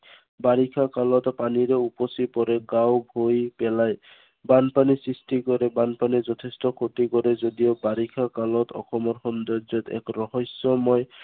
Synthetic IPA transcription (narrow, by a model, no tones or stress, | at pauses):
baɾikʰakalɔtpaniɾɛupɔsipɔɾɛɡawbʱojpɛlaj | banpanisɹistikɔɾɛbanpanizɔt̪ʰestɔkʰot̪ikɔɾɛzodiobaɾikʰakalɔtʰɔ̰xʰɔmɔɾxɔnd̪ɔzɔt̪ɛ̰kɹɔɦɔsːɔmɔj